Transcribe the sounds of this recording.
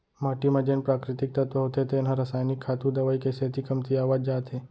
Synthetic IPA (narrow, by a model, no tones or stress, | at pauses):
maʈimãd͡ʒeːnpɾaːkɾɪt̪ɪk̚t̪ɐt̪ʋəɦoːt̪et̪ʰenɦãɾəsaːjnɪkʰːaːt̪ũd̪ɐʋaːikeset̪ʰikɐmt̪iaːʋaːd͡ʒd͡ʒaːt̪ɦeː